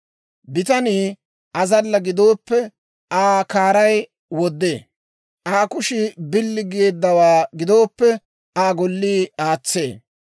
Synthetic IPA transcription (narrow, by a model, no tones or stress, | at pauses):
bɪt̪ɐniː | ʔɐzɐlːɐɡɪd̪o̞ːpːɛ | aːkaːɾɐj | wɔd̪ːeː | ʔaːkʊʃɪbɪlːɪɡeːd̪ːɐwaːɡɪd̪o̞ːpːɛ | aːɡɔlːiːaːt͡sːe̞ː